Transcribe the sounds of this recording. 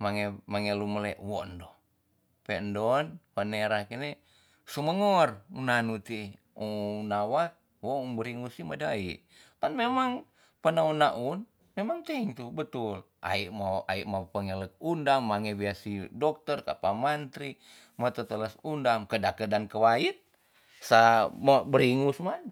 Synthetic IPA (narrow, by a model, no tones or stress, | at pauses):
maŋɛmaŋeluməlɛʔwɔndɔ | pɛndɔnpəneɾahkinɛ | suməŋɔrunanut̪i | unawat̪̚ | wɔuŋbəɾiŋusimadaiʔ | t̪anmemaŋ | pənaunaʔun | memaŋt̪ɛŋt̪ubət̪ul | ʔa̰iʔmaa̰iʔmapəŋɛlək̚undaŋːaŋɛbiasidɔk̚t̪ərka̰pamant̪ɾi | mat̪ət̪ələsundamkədakədankəwait̪̚ | samabəɾiŋusman